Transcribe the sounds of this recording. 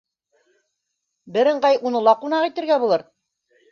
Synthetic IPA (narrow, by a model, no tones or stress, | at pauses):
bɘ̆ɾɘ̆ɴɢɑjʔunɤ̆lˠɑqunɑqit̪ɘ̆ɾɡæbulˠɤɾ